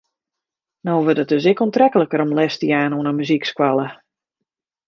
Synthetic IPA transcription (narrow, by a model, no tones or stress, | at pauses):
noːʋədət̚døs̬ɛkuntrɛkələkəɾɔmlɛstiaːnoənəmyzikskwalˠə